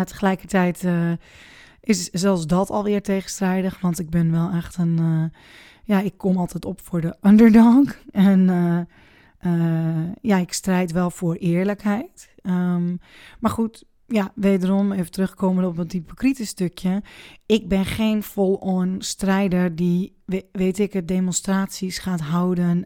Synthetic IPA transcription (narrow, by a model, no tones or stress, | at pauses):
tə̥χəlɛjkəɹtɛjt | ɪszɛlˠsdɔtʰɔlˠʋɪːrteːɣənstrɛjdəxʋɑntɪɡ̚bɪnʋɛlˠɛxtən | jaɪkːɔmɑlˠtɛtɔpfʊːɹdəʔɔndəɹdɔŋkɛn | əjaɪkstrɛjtʋɛlˠfʊːɹɪːəɹləkhɛjt | əmmaɹxut | jaʋeːdərɔmeːvətrøxkoːmənɔpəntipokritəstøkʰjəɪk̚bɪnχenfolˠoənstrɛjdərdiʋeːtɪkədemonstraːtsisχaːtɦawdən